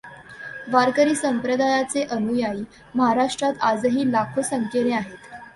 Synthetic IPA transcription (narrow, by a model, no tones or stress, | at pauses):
ʋaɾkəɾiːsəmpɾəd̪ʱajat͡seʔənujaiː | məɦaɾaʂʈɾat̪ad͡zɦiːlakʰosəŋkeɾeaɦet̪